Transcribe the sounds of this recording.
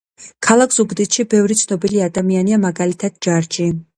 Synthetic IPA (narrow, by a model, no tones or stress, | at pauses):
kʰalˠakʰz̥ubd̪it̪ʃibɛvɾit̪sʰnɔbiliad̪amianiamaɡalit̪ʰad̪̥̚d͡ʒaɾd͡ʒi